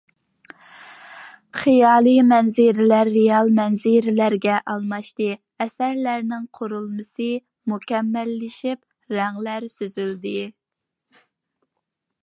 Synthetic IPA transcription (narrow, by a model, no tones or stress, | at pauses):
χɨjɑːlˠɨmɛnzɪɾɪlæɾːejɑlˠmɛnzɪɾɪlæɾɡʲɛʔɑlˠmɑʃt̪ɨ | ɛsæɾlæɾnɪŋqʰoɾulˠmɨsɨ | mukʲɛmːɛlːɪʃip̚ | ɾæŋlæɾsøzyld̪ɪ